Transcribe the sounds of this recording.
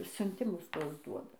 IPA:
sʲʊnʲˈtʲɪmʊs ˈtuɔs ˈduɔdɐ

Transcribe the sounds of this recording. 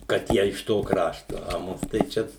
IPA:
kɐt ˈjiɛ ɪʃ ˈtoː ˈkrɑːʃtoː ɐ ˈmʊs tɐɪ ˈt͡ʃʲɛ

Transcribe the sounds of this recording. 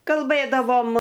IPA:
kɐlˠˈbɘdɐʋoːm

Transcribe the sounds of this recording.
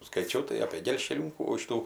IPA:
skɐɪˈt͡ʃʲɛʊ tɐɪ ɐpʲeː ɡʲɛlʲʃʲkʲɛˈlʲuːkuː ˈʃʲɪtuː

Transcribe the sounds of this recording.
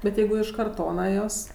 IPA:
bʲɛt ˈjɛɪɡʊ ɪʃ kɐrˈtoːnɐ joːs

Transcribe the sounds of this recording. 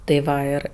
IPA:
tɐɪ ˈʋɐ ˈɪr

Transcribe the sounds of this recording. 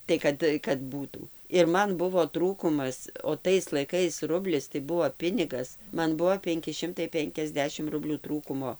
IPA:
tɐɪ ˈkɐt kɐt ˈbuːtuː ɪr ˈmɐn ˈbʊʋoː ˈtruːkʊmɐs oː ˈtɐɪs lˠɐɪˈkɐɪs ˈrʊbʲlʲɪs tɐɪ ˈbuɔ ˈpʲɪnʲɪɡɐs ˈmɐn ˈbuɔ ˈpʲɛŋʲkʲɪ ˈʃʲɪmtɐɪ ˈpʲɛŋʲkʲɛzʲˌdʲæːʃʲɪm ˈrʊbʲlʲuː ˈtruːkʊmoː

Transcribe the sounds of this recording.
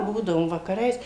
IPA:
ˈbuːdɐʋoːm ʋɐkɐˈrɐɪs

